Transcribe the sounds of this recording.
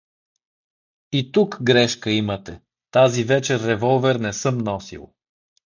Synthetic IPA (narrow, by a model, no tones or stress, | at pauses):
it̪ukɡɾɛʃkəimət̪ɛ | t̪azivɛt͡ʃɛɾːɛvɔlˠvɛɾnɛsɤmnɔsḭlˠ